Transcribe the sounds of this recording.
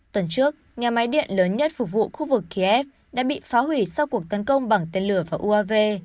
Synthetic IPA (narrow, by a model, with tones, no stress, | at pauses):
t̪wə˨˩nt͡ɕɨ˦˥ək̚ɲaː˨˩ma˨˦jɗḭ˧˨ənləː˨˦nɲə˦˥t̚fʊ˨˩k͡p̚vṵ˧˨xu˧vɨ˨˩kːi˧ʔɛ˦˥p̚ | ɗa̰ː˧˥ɓḭ˧˨faː˨˦ɦwi˧˩sa˧wku˨˩ək̚t̪ə˨˦nkə˧wŋ͡mɓa˨˩ŋt̪e˧nlɨ˧˩əvaː˨˩ʔu˧ʔaː˧ve˧